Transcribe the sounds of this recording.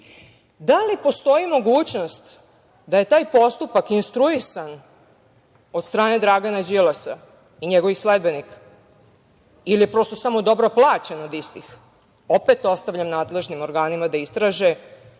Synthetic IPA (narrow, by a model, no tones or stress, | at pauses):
d̪alipo̞st̪o̞imo̞ɡuːt͡ɕno̞st̪ | d̪aje̞t̪aːjpo̞st̪upakinst̪ɾuisan | o̞d̪st̪ɾaːne̞d̪ɾaɡanad͡ʑilasa | iɲeɡo̞ʋisled̪̚benik | ilijepɾo̞st̪o̞samo̞d̪o̞bɾo̞plˠaːt͡ɕenod̪ist̪ix | o̞pe̞t̪o̞st̪aʋʎamnaːd̪le̞ʒnimo̞ɾɡaːnimad̪aist̪ɾaːʒe